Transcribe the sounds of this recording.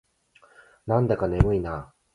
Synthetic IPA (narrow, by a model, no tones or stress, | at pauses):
nãnd̪akanemɯ̟inaː